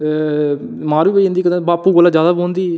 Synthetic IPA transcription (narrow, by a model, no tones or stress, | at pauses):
mãːɾiːbeɪ̃nd̪iːkəd̪ẽbaːpuːɡolaːd͡ʒjaːd̪aːbõːnd̪iː